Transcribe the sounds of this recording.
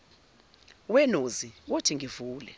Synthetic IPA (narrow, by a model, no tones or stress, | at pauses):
wɛnoziwotʰiŋivuːlɛ